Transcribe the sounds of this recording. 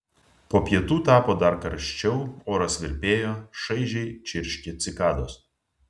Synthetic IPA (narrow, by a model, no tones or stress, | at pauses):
poːpʲjiɛt̪uːt̪ɑːpoːd̪ɐɾkɐɾʃʲt͡ʃʲɛʊoːɾɐsʲʋʲɪɾʲpʲeːjoːʃɐɪʒʲɛɪt͡ʃʲɪɾʲʃʲkʲɪt̪sʲɪkɑːd̪oːs